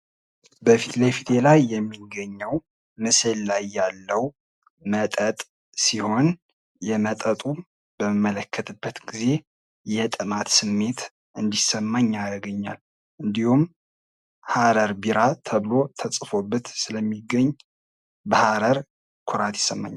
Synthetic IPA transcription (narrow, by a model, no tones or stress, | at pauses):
bəfit̪lefit̪ʰelajːɛmːiɡəɲːəw | mɨsəllajːalːəw | mət̪ʼət̪ʼ | siho̞n | jɛmət̪ʼət̪ʼu | b̥əməmːələkʰːət̪ʰɨbːət̪ɡize̞ | jɛt̪ʼɨmat̪sɨmːe̞t̪ | ʔɨnd̪isəmːaɲːaɾɡəɲːa̰l | ʔɨnd̪ihum | haɾəɾbiɾat̪ʰəβɨlo̞t̪ʰəsʼfo̞bːət̪sɨləmːiɡəɲː | bahaɾəɾ | kʰʊɾat̪jɪ̥sːəmːa̰ɲː